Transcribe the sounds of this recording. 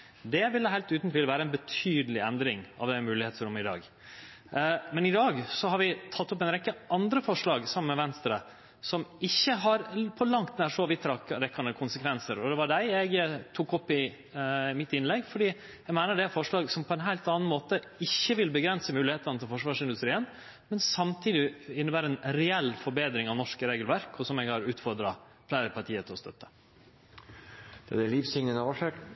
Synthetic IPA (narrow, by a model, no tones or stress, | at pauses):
d̪ɛʋɪlːəɦæɪlt̪ʉːt̪n̩t̪ʰɪlʋæːɾəɛnbət̪ʰyːd̪əlɪɛnd̪ɾɪŋɑ̰ʋd̪ɛmʉːlɪheːt̪səɾɔmɪd̪ɑ̰ːɡ | mɛnɪd̪ɑːɡsɔhɑɾʋɪt̪ʰɑt̪ːɔp̬ːɛɪnɾɛkːəʔɑnd̪ɾəfɔʂɭɑːɡsɑmːənmɛʋɛnst̪ɾə | sɔmɪçːəɦɑɾpʰɔlɑŋt̪næʂɔʋɪt̪ʰɾɑkɾɛkːɑnəkʰʊnsəkʰʋɛnsəɾɔd̪ɛʋɑɖæɪɛɪɡt̪ʰuːkːɔpːɪ | ɪmɪt̪ɪnlɛɡːfɔɖiː | ɛɡmæɪnəɖɛæfɔʂɭɑːɡsɔmpʰɔɛnɦæɪlt̪ɑːnn̩moːt̪ə | ɪçːəʋɪlbəɡɾɛnsəmʉːlɪheːt̪ɑnət̪ʰɪlfɔʂʋɑːʂɪnd̪ʉst̪ɾiːən | mɛnsɑmt̪ʰiːd̪ɪɪnːəbæːɾəɛnɾɛɛlːfɔɾbeːd̪ɾɪŋɑʋnɔʂkəɾeːɡəlʋæɾkʰɔsɔmɛɡhɑɾʉːt̪fɔɾd̪ɾɑ | pʰlæɪəɾpɑɾʈʰiːət̪ʰɪlɔst̪œt̪ːə̥ | d̪̥ɛd̪ɛliːʋsɪŋnənəɑʂe